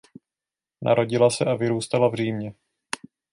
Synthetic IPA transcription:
na̰ɾo̞ɟɪlasɛʔavɪɾuːst̪alavr̝iːmɲɛ

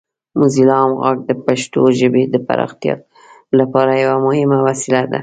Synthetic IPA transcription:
muzilɑmɣaɡ̚d̪əpaʃt̪oʒəbed̪əpa̰ɾɑ̰xt̪jɑ̰ | lapɑɾajawamʊhɪmawasɪlad̪a̰

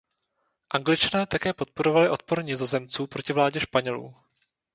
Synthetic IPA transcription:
ʔaŋɡlɪt͡ʃanɛːt̪akɛːpo̞t̪̚po̞ɾo̞valɪʔo̞t̪̚po̞ɾɲiːzazɛmt͡suːpɾo̞cɪvlaːɟɛʃpaɲɛlṵː

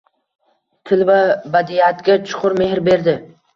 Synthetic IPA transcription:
t̪ʰɪlvabad̪iat̪ɡʲat͡ʃʰʊ̥qʰʊɾme̞ɦɾbe̞ɾd̪ɪ

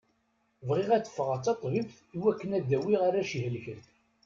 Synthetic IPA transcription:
vʁiʁæt͡sːə̥fːəʁat͡sːɑt̪ˤvibθ | iwækːənæd̪ːæwiʁaɾæʃihəlçəɾθ

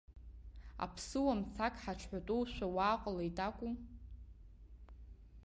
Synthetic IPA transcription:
a̰pʰsɨwamt͡sʰakʼħat͡ʃʷʰħʷᶣatʼuwʃʷawaːqʼalaitʼakʷʼu

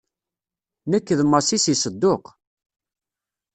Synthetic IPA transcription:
nəkːðmːəsisisəd̪ːoq

